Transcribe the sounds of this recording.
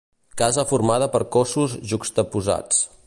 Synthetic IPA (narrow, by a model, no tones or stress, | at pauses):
kazəfurmað̞əpəɾkosuzʒukst̪əpuza̰t͡s